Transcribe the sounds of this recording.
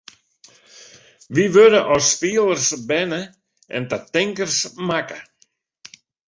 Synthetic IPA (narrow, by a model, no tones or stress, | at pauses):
vivœːɾʏʔawspɪːlˠəɾ̥sbɛːnɪ | ɛ̰nt̪at̪ejŋkəɾ̥smaːkḁ